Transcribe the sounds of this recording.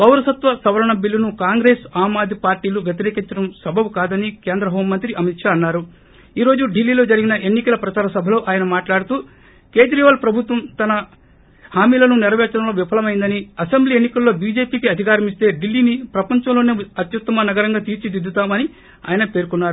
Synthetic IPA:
bɐwɾɐsɐt̪ʋɐsɐʋɐɾɐɳɐbilːunukaːŋɡɾe̞ːsaːmaːd̪ʱipaːɾʈiːluɡɐt̪̬iɾeːkiɲt͡ʃɐɽɐmsɐbʱɐwukaːd̪ɐnike̞ːnd̪ɾɐɦoːmmːɐnt̪ɾiɐmit̪ʂaɐnːaːɾu | iːɾo̞ːd͡ʒuɖilːiːlo̞ːd͡ʒɐɾiɡinɐʔe̞nːikɐlɐpɾɐt͡ʃaːɾɐsɐbʱɐlo̞ːʔaːjɐnɐmaːʈlaːɽut̪uː | ke̞ːd͡ʒ̪ɾiːʋaːlpɾɐbʱut̪ʋɐmt̪ɐnɐ | haːmiːlɐnunɛɾɐʋɛːt͡ʃɐɽɐmlo̞ːʋipʰɐlɐmɐjind̪ɐniɐsembliːe̞nːikɐlːo̞ːbiːd͡ʒe̞ːpiːkiɐd̪ʱikaːɾɐmist̪e̞ːɖilːiːnipɾɐpɐɲt͡ʃɐmlo̞ːneːɐt̪jɐt̪ːɐmɐnɐɡɐɾɐŋɡaːt̪iːɾt͡ʃid̪id̪ʱːut̪aːmɐni | a̰ːjɐnɐpe̞ːɾkunːaːɾu

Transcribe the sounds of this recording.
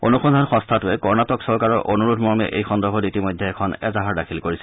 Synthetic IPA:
onuxʰɔndʱanxɔ̃nstʰatʊɛkɔɹnatɔksɔɹkaɹɔɹʔonuɹudʰmɔɹmɛ̰ʔejxɔndɔɹbʱɔditimɔjdʱːɛːkʰɔnɛ̰zaɦaɹdakʰilkoɹisɛ̥

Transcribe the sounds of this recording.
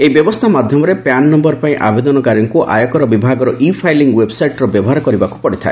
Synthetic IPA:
eibjɔbɔst̪ʰamad̪ʱjɔmɔɾepannːɔmbɔɾpaĩʔa̰bed̪ɔnɔkaɾjɔŋkuʔa̰jɔkɔɾɔbibʱaɡɔɾɔʔipʰajliŋɡwebsajʈɔɾɔbjɔbɔɦaɾɔkɔɾibaku̥pɔɽit̪ʰae

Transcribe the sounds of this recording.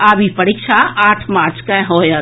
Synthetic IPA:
aːbipɐɾikʃʰaʔaːʈʰmaːɾt͡ʃkãɦoːja

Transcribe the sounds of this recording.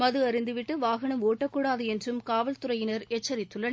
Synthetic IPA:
mɐðɯɐɾɪnd̪ɯʋɪʈːɯʋaːɣɐɳɐmoːʈːɐkːuːɽaːðɯɛndrɯmkaːʋɐlt̪ʊɾɐjɪnɐɾɛt͡ʃːɐɾɪt̪ːɯlːɐn

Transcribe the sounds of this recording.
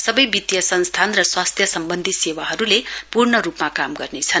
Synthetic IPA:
sʌbʌjbit̪jʌsʌnst̪ʰanrʌswast̪ʰjʌsʌmbʌnd̪ʱisewaɦʌɾulepurnʌɾupmakamɡʌrnet͡sʰʌn

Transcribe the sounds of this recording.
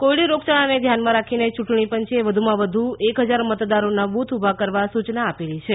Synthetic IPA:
kojɽiɾokt͡ʃaɭaned̪ʱjanmãɾakʰinet͡ʃuʈɳipənt͡ʃeʋəd̪ʱumãʋəd̪ʱuekɦəd͡ʒaɾmət̪d̪aɾonabut̪ʰubʱakəɾʋasut͡ʃnaːpelit͡ʃʰe

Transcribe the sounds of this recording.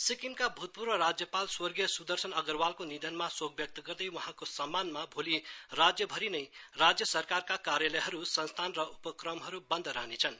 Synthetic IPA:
sikimkabʱut̪̚purnʌɾad͡zjʌpalswʌrɡijʌsud̪ʌrsʌnʌɡʌrwalkonid̪ʱʌnmasoɡ̚bjʌk̚t̪ʌɡʌrd̪ʌjwʌɦãkosʌmːanmabʱulirad͡zjʌbʱʌɾinʌjrad͡zjʌsʌrkarkakaɾjʌlʌjɦʌɾusʌnst̪ʰanrʌupʌkrʌmɦʌɾubʌnd̪ʱɾʌɦnet͡sʰʌn

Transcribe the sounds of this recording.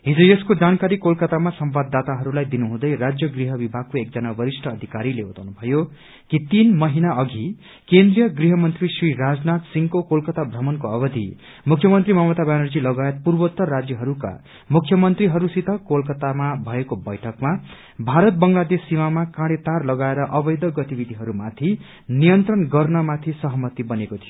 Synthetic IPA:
ɦid͡zujʌskod͡zankaɾikolkʌt̪amasʌmbad̪ːat̪aɦʌɾulajd̪inuɦũd̪ʌjɾad͡zjʌɡriɦʌbibʱaɡ̚koek̚d͡zʌnabʌɾisʈʰʌːd̪ʱikaɾilebʌt̪awnubʱʌjo | kit̪inmʌɦinaʌɡʱi | kend̪rijʌɡriɦʌmʌnt̪risriɾad͡znat̪siŋkokolkʌt̪abʱrʌmʌnkoʌbʌd̪ʱḭ | mukʰjʌmʌnt̪rimʌmʌt̪abanʌrd͡zilʌɡajet̪̚purbʌt̪ːʌːad͡zjʌɦʌɾuka̰ | mukʰjʌmʌnt̪riɦʌɾusit̪ʰʌkolkʌt̪amabʱʌekobʌjʈʰʌkma | bʱaɾʌt̪̚bʌŋlad̪esːimamakãɽet̪arlʌɡaeɾʌʔʌbʌjd̪ʌɡʌt̪ibid̪ʱiɦʌɾumat̪ʰi | nijʌnt̪rʌnɡʌrnʌmat̪ʰisʌɦʌmʌt̪ibʌnekot̪ʰijo

